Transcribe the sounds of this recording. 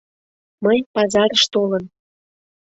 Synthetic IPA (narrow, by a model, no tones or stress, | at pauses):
məjpɑzɑɾəʃt̪olən